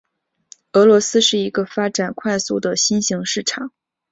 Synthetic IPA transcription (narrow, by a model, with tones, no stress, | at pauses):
ɤ˧˥lwɔ˧˥sɹ̩˥ʂɻ̩˥˩i˧˥ɡə˧fa˥ʈ͡ʂa˨˩nkʰwa˥˧ɪsu˥˩d̪ə˩ɕi˥nɕi˧˥ŋʂɻ̩˥˩ʈ͡ʂʰɑ˨˩˦ŋ